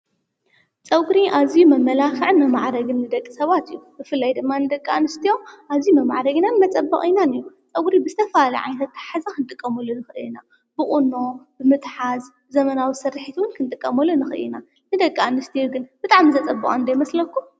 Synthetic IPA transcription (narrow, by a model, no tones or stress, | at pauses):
t͡sʼɐɡʼɾiʔazijumɐmːɐlafɨʕnmɐmaʕɾɐɡɨnːɨd̪ɐkʼːisɐβat̪ɨjːubɨfɨlːajd̪ɨmːanɨd̪ɐkʼːanːɨst̪ʰijo̞mʔazijumɐmaʕɾɐɡinanmɐt͡sʼɐbːɐ̰χʼinanɨjut͡sʼɐɡʼɾibɨzɨt̪ʰɐfalɐ̰ʕa̰jnʰɐt̪ːħazakʰɨnt̪ʼɨkʼːɐmɐlunɨxɨʔɨ̰jina | b̥ɨχʼuno̞b̥ɨmɨt̪ħaz | zɐmɐnawisɐrːɨħit̪ʰiwʊnkʰɨnt̪ʼɨkʼːɐmɐlːunɨxɨʔɨ̰ḭna | nɨd̪ɐkʼːanɨst̪ʰijoɡɨnb̥ɨt̪ʼaʕmizɐt͡sʼɐbːɐ̰χʼnd̪ɐjmɐslɐkʰːum